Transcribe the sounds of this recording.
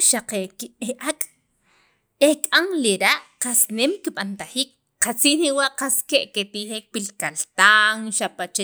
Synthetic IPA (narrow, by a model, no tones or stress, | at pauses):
ʃaqekieʔakʼ | ekʼaŋliɾaʔqasnemkiɓant̪aχiːk | qat͡siːniwaʔqaskeʔket̪iχeːk̚pilkalt̪aŋʃapat͡ʃe